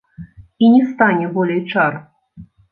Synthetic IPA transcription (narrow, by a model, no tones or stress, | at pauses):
inʲɛst̪anʲɛbɔlʲɛjt͡ʂar